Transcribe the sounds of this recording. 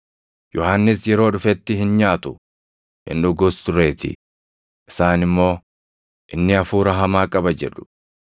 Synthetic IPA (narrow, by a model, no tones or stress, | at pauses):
jɔhɐnːɪsjɛɾo̞ːᶑʊfɛt̪ːɪhɪnɲaːt̪ʊ | hɪ̰nᶑʊɡʊst̪ʊɾe̞ːt̪ɪ̰ | ʔɪsaːnɪmːo̞ː | ʔɪnːɪɐfuːɾɐɦɐmaːkʼɐbɐd͡ʒɛᶑʊ̥